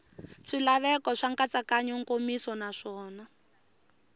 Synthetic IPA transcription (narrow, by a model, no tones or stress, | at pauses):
ʂilaβɛkɔʂaŋkat͡sakaɲɔŋkomisɔnaʂɔːna